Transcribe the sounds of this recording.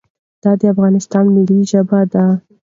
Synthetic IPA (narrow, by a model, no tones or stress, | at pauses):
d̪̥ɑd̪əafɣɑnɪst̪ɑnmiliʒəbad̪a